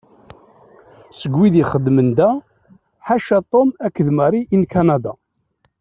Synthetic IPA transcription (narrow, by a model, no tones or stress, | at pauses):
səɡwiðiχəd̪ːmənd̪æ | ħaʃæt̪ˤomækːəðməɾˤiʔinkanad̪a